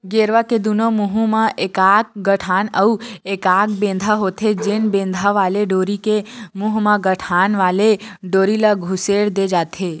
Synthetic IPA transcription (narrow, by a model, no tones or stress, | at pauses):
ɡeɾʋaked̪unomuɦũmãʔekak̚ɡəʈʰaːnəuekaːk̚bẽːnd̪ʱaɦot̪ʰed͡ʒenbẽːnd̪ʱaʋaːleɖoːɾikemuɦmãɡəʈʰanʋaːleɖoːɾilaɡʱʊseɽd̪ed͡ʒaːt̪ʰe